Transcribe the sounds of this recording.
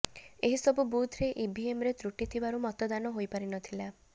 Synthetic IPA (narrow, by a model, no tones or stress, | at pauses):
eɦisɔbubud̪ʱɾeʔibiemɾet̪ɾuʈit̪ʰibaɾumɔt̪ɔd̪anɔɦojpaɾinɔt̪ʰila